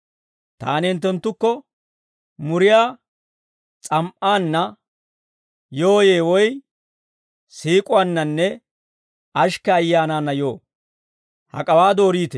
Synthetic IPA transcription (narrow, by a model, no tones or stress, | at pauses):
t̪a̰ːnɪnt̪ːɛnt̪ːʊkːɔ | mʊɾɪjaː | t͡sʼɐmʔaːnːɐ | joːje̞ːwɔj | siːkʼʊwanːɐnːɛ | ɐʃkɐːjːaːnaːnːɐjo̞ː | hɐ̰kʼɐwaːd̪o̞ːɾiːt̪ɛ